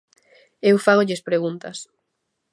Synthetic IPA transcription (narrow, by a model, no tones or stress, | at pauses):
ewfaɣoʎɪspɾeɣunt̪ɐs